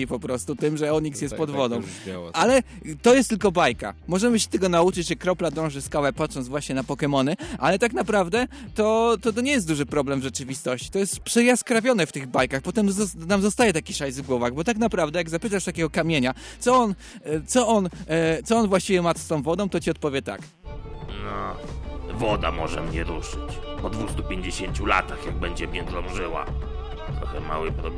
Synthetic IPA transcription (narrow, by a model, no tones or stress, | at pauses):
ipɔpɾɔst̪ut̪ɘmʐɛɔɲiksjɛst̪̚pɔd̪vvɔd̪ɔ̃w̃ʔalɛ | t̪ɔjɛst̪ɘlkɔbajka̰mɔʐɛmɘɕɛ̥t̪ɛɡɔnaut͡ʂɘt͡ɕʐɛkɾɔplad̪ɔ̃w̃ʐɘskawɛpat̪ʂɔnt̪vwaɕɲɛnapɔkɛmɔnɘʔa̰lɛt̪aknapɾavd̪ɛt̪ɔt̪ɔt̪ɔɲɛjɛst̪d̪uʐɘpɾɔblɛmvʐɛt͡ʂɘvʲist̪ɔɕt͡ɕi̥t̪ɔjɛst̪pʂɛjaskɾavʲjɔnɛft̪ɘɣbajkaxpɔt̪ɛmnamzɔst̪ajɛt̪akʲiʂajzvɡwɔvaɣbɔt̪aknapɾavd̪ɛjaɡzapɘt̪aʂt̪akʲɛɡɔkamʲjeɲa | t̪sɔɔn | t̪sɔʔɔnt̪sɔɔnvwaɕt͡ɕivʲɛmat̪st̪ɔ̃w̃vɔd̪ɔ̃w̃t̪ɔt͡ɕiɔt̪̚pɔvʲjɛt̪a̰k | nɔ | vɔd̪a̰mɔʐɛ̰mɲɛɾuʂɘt͡ɕpɔd̪vust̪upʲjeɲd͡ʑeɕeɲt͡ɕulat̪axjaɡ̚bɛɲd͡ʑɛmʲjɛd̪lɔ̃wʐɘwa̰ | t̪ɾɔxɛma̰wɘpɾɔbɛ